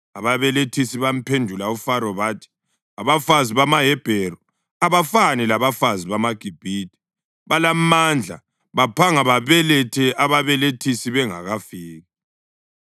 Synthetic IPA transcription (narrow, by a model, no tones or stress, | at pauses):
aβaβɛletʰisiβam̩pʰendʱulaufaɾɔβaːtʰi̥ | aβafaziβamaɦɛb̥ʱɛɾɔ | aβafanilaβafaziβamaɡ̥ʱib̥ʱiːd̥̚ʱʼi̥ | βalamand͡ɮʱa̰ | βapʰaŋaβaβɛlɛtʰɛʔaβaβɛletʰisiβɛŋa̰ɣafiːɣa